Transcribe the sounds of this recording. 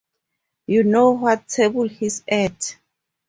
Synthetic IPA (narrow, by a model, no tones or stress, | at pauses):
junowɔt̚tʰebulhisɛd